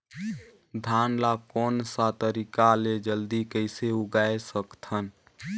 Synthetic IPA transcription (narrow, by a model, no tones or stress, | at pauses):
d̪ʱanlakɔnsat̪əɾikaled͡ʒəld̪ikəɪseuɡaesəkt̪ʰən